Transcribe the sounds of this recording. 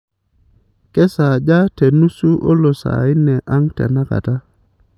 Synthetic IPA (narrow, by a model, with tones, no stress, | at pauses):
ke˦sa˨ɟa˦te˨nu˦su˦ʔo˦lo˨sa̰˨i˦nɛ˨ʔa˦ŋtḛ˨na˦ka̰˨ta˦